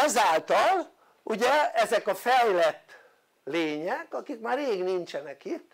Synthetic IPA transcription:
ɛzaːlt̪ɒl | uɟɛɛzɛkɒfɛjlɛt̪ː | leːɲɛkɒkikmaːreːɡnint͡ʃɛnɛkit̪ː

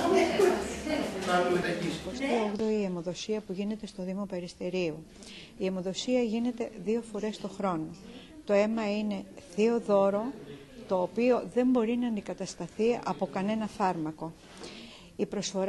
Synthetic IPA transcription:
ɐet̪ɐiost̪ioɣðoiemo̞ðo̞siɐpuʝine̞t̪e̞st̪o̞ðimo̞pe̞ɾist̪e̞ɾiu | iemo̞ðo̞siɐʝine̞t̪e̞ðio̞fo̞ɾe̞st̪o̞xɾo̞no̞ | t̪o̞e̞mɐine̞θio̞ðo̞ɾo̞ | t̪o̞ːpio̞ðe̞mbo̞ɾinɐːnd̪ikɐt̪ɐst̪ɐθiɐpo̞kɐne̞nɐfɐɾmɐko̞ | ipɾo̞sfo̞ɾ

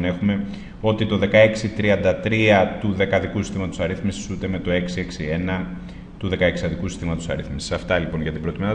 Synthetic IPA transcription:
ne̞xume̞ | o̞t̪it̪o̞ðe̞kɐe̞ksit̪ɾiɐnd̪ɐt̪ɾiɐt̪uðe̞kɐðikusi̥st̪imɐt̪osɐɾiθmisi̥sut̪e̞me̞t̪o̞e̞ksie̞ksie̞nɐ | t̪uðe̞kɐeksiɐðikusi̥st̪imɐt̪o̞sɐ̰ɾiθmisi̥sɐft̪ɐlipo̞nʝɐt̪ibɾo̞t̪imeɐ

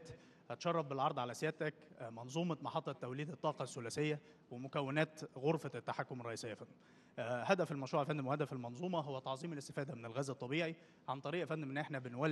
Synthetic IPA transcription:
t̪ | hɑt̪ʃɑrˤːɑfbelʕɑɾˤd̪ˤʕalæsjæːʔt̪ækmɑnzˤuːmɑt̪mɑħɑt̪ˤːɑt̪ːæwliːd̪et̪ˤːɑːqɑsːʊlæsejːæ | wemʊkæwːenæːt̪ɣoɾfæt̪ːaħakːʊmɑrˤːɑʔiːsˤejːæfænd̪ | hæd̪æfelmæʃɾuːʕfænd̪æmwhæd̪æfelmɑnzˤuːmɑɦowːæt̪ɑʕzˤiːmelɪst̪efæːd̪æmenɪlɣæːzɑt̪ˤːɑbiːʕi | ʕant̪ˤɑɾiːʔfænd̪mʔenʔeħnæbenwæːl

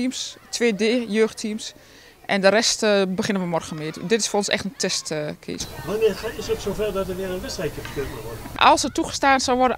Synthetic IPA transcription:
imstʰʋeːdeːjøːxtʰims | ʔɛndəɾɛstbəxɪnənʋəmɔrɣənmɪətdɪtɪsfrɔnsɛ̰xtəntʰɛstkʰḭːsʋanɪːrxaɪsətsowfɛrdɔtərʋɪəənʋɪsɛjt̚jəfəkøːkənəʋɔrdəʔɔ̰lˠsətuɣə̥staːnsɔlˠʋɔrdə

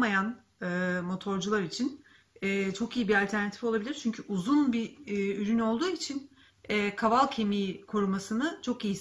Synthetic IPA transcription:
majan | ɯmo̞t̪ʰo̞ɾd͡ʒulˠaɾit͡ʃʰin | ɛːt͡ʃʰo̞kijibialʲt̪ʰæɾnat̪ʰifolˠabilʲiɾt͡ʃʰyɲcʰyʔuzunbiːyɾyno̞lˠd̪uːit͡ʃʰin | ɛːkʰavalˠcʰe̞mijkʰoɾumasɯnɯt͡ʃʰo̞kiji

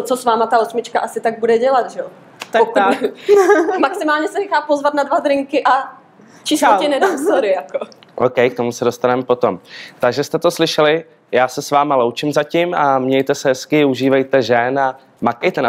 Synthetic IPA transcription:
t͡sosvaːmat̪aosmɪt͡ʃkaʔasɪt̪aɡ̚budɛɟɛlat̪ʒɛo | t̪aotaɛ | maksɪmaːlɲɛsɛnɛxaːpozvat̪nadvad̪ɾɪŋkɪʔa | t͡ʃɪsotɛnɛdaːsaɾɪjakoʔowkɛjk̚t̪o̞musɛdost̪anɛmɛpo̞t̪o̞mt̪aɡʒɛst̪ɛt̪o̞slɪʃɛlɪ | jaːsɛsvaːmalowt͡ʃɪmzacɪmamɲɛjt̪ɛsɛɦɛskɪuʒiːvɛjt̪ɛʒɛna | makɛjt̪ɛna

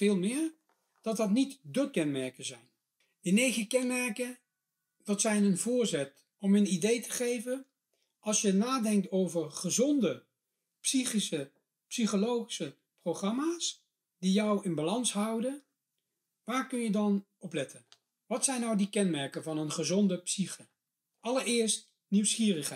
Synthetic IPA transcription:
vɪːlˠmɪːɹ | d̥ɑtdɑtnitdəkɛnmɛɹkəzɛjn | dənejχəkɛnmɛɹkə | dɑtsɛjnənvʊːɹzɛt | ɔmənidejtəχejvən | ʔɑlˠsjənaːdɛŋk̚towvəɹχəzɔndə | psiχisə | psiχolowχi̥sə | proχrɑmaːs | d̥ijɔwɪnbalɑnsɦʌwdən | ʋaːɹkɵnjədɑnʔɔplɛtʰən | ʋɑtsɛjnːɑwdikɛnmɛɹkəvɑnənχəzɔndəpsiχə | ʔɑləɹɪːɹst | niwsχiːrəχɛ

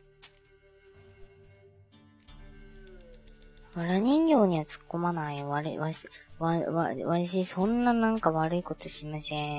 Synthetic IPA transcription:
βaɾaɲ̟ĩŋɡʲo̞ːɲ̟iβat͡sɨ̥kːo̞manaioβaɾɯβaβaaβaɕ̬isõ̞nːanãŋkaβaɾɯ̟iko̞t̪o̞ɕimasẽ

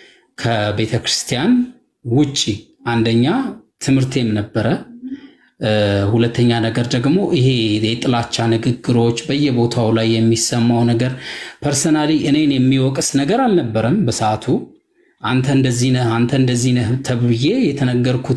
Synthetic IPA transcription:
kʰəbe̞t̪ʰəkɾɨst̪ʰijan | wʊt͡ʃʼːi | ʔand̪əɲːat̪ʰɨmhɨɾt̪ʰe̞mnəbːəɾə | hulət̪ʰːəɲːanəɡəɾd̪əɡmo̞ʔiɦe̞jɛt̪ʼɨlat͡ʃːanɨɡɨɡːɨɾo̞t͡ʃːbəjːɛbo̞t̪ʰawlajːɛmːisəmːawnəɡəɾpʰəɾsonaliʔɨne̞njɛmːiwɔkʼsnəɡəɾalnəbːəɾəmbəsəat̪ʰu | ʔant̪ʰəɨnd̪əzːinant̪ʰəɨnd̪əzːint̪ʰəβɨje̞jɛt̪ʰənəɡːəɾkʰu

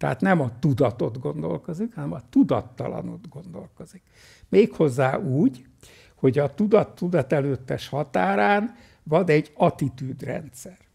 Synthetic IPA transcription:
t̪ɛa̰t̪nɛmɒt̪ud̪ɒt̪o̞d̪ɡo̞nd̪o̞̰lko̞zikhɒnɛmɒt̪ud̪ɒt̪ːɒ̰lɒ̰no̞̰d̪ɡo̞nd̪o̞̰lko̞zik | meːkho̞zːaːʔuːɟ | ho̞ɟɒt̪ud̪ɒt̪ːud̪ɒt̪ɛløːt̪ːɛʃhɒt̪aːɾaːn | vɒd̪ɛɟːɒt̪it̪yːd̪rɛ̰nt̪sɛr

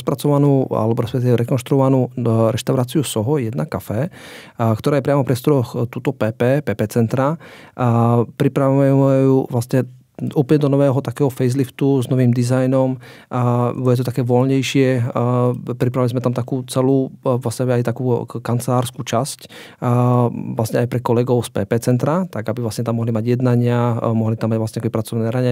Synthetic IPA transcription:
spɾat͡sɔʋanuːa̰lɛbɔɾɛspɛk̚t̪iʋɛɾɛkɔnʃt̪ɾuɔʋanuːɾɛʃt̪aʊɾaːt͡siusɔɦɔjɛd̪nakafɛ | kt̪ɔɾaːjɛpɾɪamɔfpɾiɛst̪ɔɾɔxt̪uːt̪ɔpɛːpɛːpɛːpɛːt͡sɛnt̪ɾa | pɾipɾaʋmɛuːʋlasɲɛ | uːpəlɲɛd̪ɔnɔʋɛːɦɔt̪akɛːɦɔfɛjzlift̪uznɔʋiːmd̪izajnɔm | bɔɛt̪ɔt̪akɛːʋɔlɲɛjʃɪɛ | pɾipɾaʋilizmɛt̪amt̪akuːt͡sɛluːʋlasɲɛbiajt̪akuːkant͡sɛlaːɾskut͡ʃascː | ʋlasɲɛajpɾɛkɔlɛɡɔʊspɛ̰ːpɛːt͡sɛnt̪ɾat̪aɡabiʋlasɲɛt̪amɔɦlimaɟjɛd̪naɲɪamɔɦlit̪amːaɟvlasɲɛkɛbipɾat͡sɔʋnɛːɾaɲɛ

